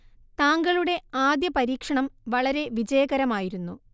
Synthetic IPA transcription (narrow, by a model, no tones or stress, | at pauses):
t̪aːŋɡɐɭuɽe̞aːd̪jɐpɐɾiːkʂɐɳɐmʋɐɭɐɾe̞ʋid͡ʑɐjɐɣɐɾɐmaːjiɾunːu